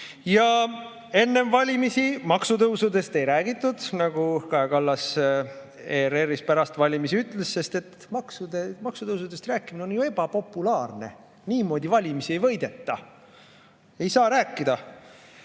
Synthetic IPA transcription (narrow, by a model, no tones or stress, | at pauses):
jɑ | e̞nːe̞mvɑlʲimisimɑksut̪ɤwsud̪e̞st̪e̞jɾæːɡit̪ːˑud̪̥nɑɡ̥ukɑekɑlːɑs | ere̞rːispæɾɑst̪vɑlʲimisiyt̪ːˑle̞sːe̞st̪e̞t̪ | mɑksud̪emɑksut̪ɤwsud̪e̞st̪ræːkːˑimine̞onjue̞b̥ɑpo̞pːulɑːrne̞̰ | niːmo̞ːd̪̥ʲivɑlʲimisie̞jvɤ̞jd̪̥e̞t̪ːɑ̰ | e̞jsɑːɾæːkːˑid̪̥ɑ